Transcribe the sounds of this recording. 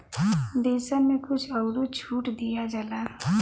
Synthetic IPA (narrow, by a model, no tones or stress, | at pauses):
d̪eːsamẽkʊt͡ʃʰəɡɾot͡ʃʰuːʈd̪ijad͡ʒəla